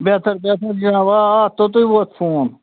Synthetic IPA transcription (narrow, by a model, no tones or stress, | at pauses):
beːt̪əɾbeːt̪ʰəɾd͡ʒinãːʋaːt̪ot̪oiboːt̪fʰoːn